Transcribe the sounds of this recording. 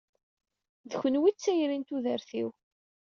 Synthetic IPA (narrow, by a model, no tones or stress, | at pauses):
ðçənwit͡sːæjɾint̪uðəɾθiw